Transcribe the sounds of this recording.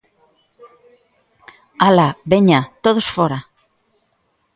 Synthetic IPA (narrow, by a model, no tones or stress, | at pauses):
alaβeɲat̪oð̞osfoɾa